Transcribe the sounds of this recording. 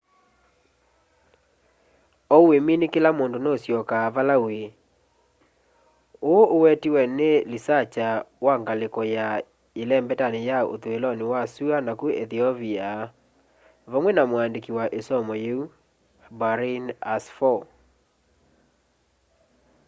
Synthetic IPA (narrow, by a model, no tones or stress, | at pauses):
ɔweminekelamondonosjɔkaːβalawe | oʔowɛtiwɛnelisat͡ʃawaŋɡalekɔja | elɛmbɛtanejao̰twelɔnewasuanakueðiɔvia | βɔmwɛnamwandekiwaʔesɔmɔjeu | baɾinasfɔ